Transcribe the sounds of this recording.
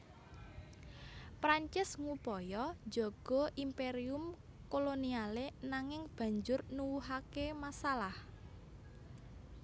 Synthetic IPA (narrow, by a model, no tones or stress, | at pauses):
pɾaɲt͡ʃɪsŋupɔjɔ̥d͡ʒɔ̤ɡ̥ɔ̤ʔimpeɾiʊm | kolonialenaŋɪŋb̥ä̤ɲd͡ʒʊrnuwuɦakemasalah